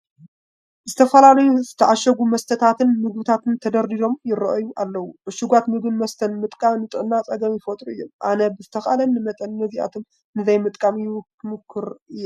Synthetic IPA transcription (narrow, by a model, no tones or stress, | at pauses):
zɨt̪ʰɐfɐlalɐjuzɨt̪ʰɐʔaʃɐɡumɐst̪ʰɐt̪ʰat̪ʰɨnmɨɡ̚bɨt̪ʰat̪ɨnt̪ʰɐd̪ɐɾd̪id̪o̞mjɪrɐ̰ʔɐjuʔalːɐwubɨʃuɡʷat̪mɨɡɨnmɐst̪ʰɐnmɨt̪ʼkʼamnɨt̪ʼɨʔnːat͡sʼɐɡɐmjɪfɐt̪ʼɾuɨjːomʔanɐbɨzɨt̪ʰɐxalɐnːɨmɐt̪ʼɐnːɨziʔa̰t̪ʰom | nɨzɐjmɨt̪ʼkʼamj | mɨkʰːɨɾɨjːɛ